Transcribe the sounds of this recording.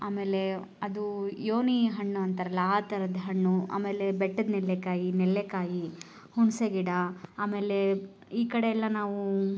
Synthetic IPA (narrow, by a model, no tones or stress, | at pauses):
aːme̞ːle̞ | ɐd̪ujoːniɦɐɳːuɐnt̪ɐɾɐlːaaːt̪ɐɾɐd̪ɦɐɳːua̰ːme̞ːlebeʈːɐd̪nɛlːekaːjinɛlːekaːji | hunseɡiɽɐaːme̞ːle | iːkɐɽeɛlːɐnaːʋu